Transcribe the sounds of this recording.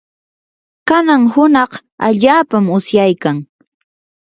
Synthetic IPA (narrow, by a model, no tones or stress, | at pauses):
kanaŋhʊnɑq | a̰ʎaːpamʊsjajkaŋ